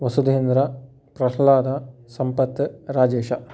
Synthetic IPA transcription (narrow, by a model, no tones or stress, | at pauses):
ʋɐsud̪ʱeːnd̪ɾa | pɾɐsɐlaːd̪asɐmpɐt̪ːɾaːd͡ʒeːʃa